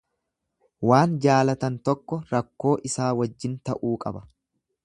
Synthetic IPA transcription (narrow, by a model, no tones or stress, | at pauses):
waːnd͡ʒaːlɐt̪ɐnt̪ɔkːɔɾɐkːo̞ːʔɪsaːwɐd͡ʒːɪnt̪ɐʔuːkʼɐbɐ